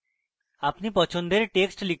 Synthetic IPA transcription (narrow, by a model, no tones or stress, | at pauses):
apnipɔt͡ɕʰond̪eɾʈeksʈlikʰ